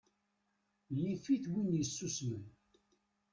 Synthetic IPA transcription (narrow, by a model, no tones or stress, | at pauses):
lifiθwinjəsːusmən